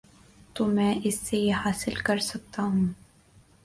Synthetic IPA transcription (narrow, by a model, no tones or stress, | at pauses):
t̪oːmɛ̃ːʔɪsːejehaːsɪlkɐɾsɐk̚t̪aːɦũ